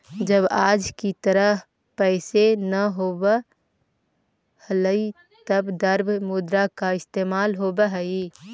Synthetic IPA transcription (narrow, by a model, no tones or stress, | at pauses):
d͡ʒəbaːd͡ʒkit̪əɾə | pɛːsenəɦoːbə | hələi | t̪əbd̪əɾbmʊd̪ɾakaɪst̪eːmaːlɦoːbəɦəi